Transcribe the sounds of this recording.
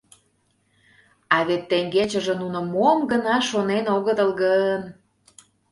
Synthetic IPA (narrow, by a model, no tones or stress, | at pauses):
ɑβet̪ːeŋɡet͡ɕə̆ʒĕnunŏmomɡənɑʃonenoɣət̪əlɣən